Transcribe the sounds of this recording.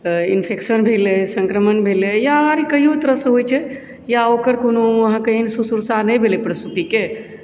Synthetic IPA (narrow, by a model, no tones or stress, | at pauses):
inpʰeksənbʱelɛsə̃ŋkɾəmənbʱelejaəaɾikəɦijot̪əɾəsə̃ɦojt͡ʃʰɛ | jaokəɾkonoəɦãkeɦinsusuɾsaɦnɛjbʱelepɾəst̪ut̪ike